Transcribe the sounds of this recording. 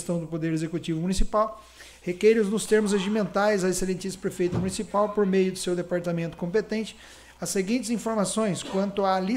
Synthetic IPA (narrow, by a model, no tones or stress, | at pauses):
st̪ɐ̃w̃d̪ʊpod̪eɾezekut͡ʃivʊmunisipaw | hekɛɾʊznʊst̪eɾmʊzaʒimẽnt̪aɾjzɐeselẽnt͡ʃ̪ispɾefejt̪ɐmũnisipawpoɾmejʊd̪ʊsewd̪epaɾt̪amẽnt̪ʊ̥kõmpet̪ẽnt͡ʃɪ̥ | ɐsːeɡĩnt͡ʃ̪ɪzĩfoɾmasõj̃skwɐ̃nt̪ʊali